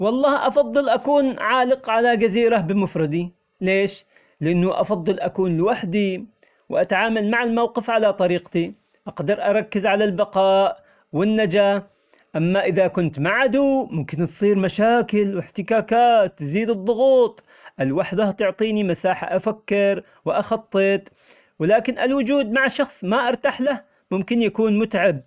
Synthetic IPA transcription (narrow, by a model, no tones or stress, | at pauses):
wɑlˤːɑːhʔɑfɑðˤːɨlʔakuːnʕaːlɪqʕalad͡ʒaziːɾabɪmʊfɾˤɑd̪i | leːʃ | lɪʔɪnːʊʔɑ̰fɑd̪ˤːɨlʔakuːnlɪwaħd̪i | wʔat̪aʕaːmalmaʕalmawqɪfʕalat̪ˤɑɾiːqt̪i | ʔɑqd̪ɑɾˤʔɑɾˤɑkːɪzʕalalbɑqɑːʔ | wɪnːad͡ʒa | ʔamːaʔɪðakʊnt̪maʕad̪umʊmkɪnt̪sˤiːɾmaʃaːkɪlwɪħt̪ɪkaːkaːt̪ːziːd̪ɨd̪ˤːʊɣuːt̪ˤ | ʔalwaħd̪aht̪ʊʕt̪ˤiːnimasaːħa̰ʔafakːɪɾ | wɪʔɑxɑt̪ˤːɨt̪ˤ | wɪlaːkɪnʔalwʊd͡ʒuːd̪maʕʃɑxsˤmaʔɑɾˤt̪aħlah | mʊmkɪnjakuːnmʊt̪ʕab̚